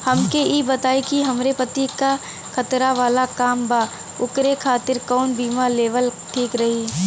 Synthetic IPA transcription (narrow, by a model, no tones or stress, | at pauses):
hɐmkeiːbɐt̪aːikiɦɐmɾepət̪ika | kʰɐt̪ɾaʋaːlakaːmbaː | ʊkɾekʰaːt̪ɪɾkɔːnbiːmaleːʋəlʈʰiːkɾɐɦiː